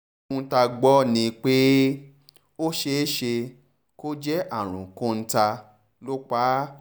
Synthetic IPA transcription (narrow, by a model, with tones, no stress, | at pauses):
ũ˧˦ta˧ɡ͡bɔ˦nĩ˧k͡pe˦ | o˦ʃe˧˦ʃe˧ | ko˦d͡ʒɛ˦ʔa˦˨ɾ̃ṵ̃˨kõ˧˦n̩˦ta˧ | lo˦k͡pa˦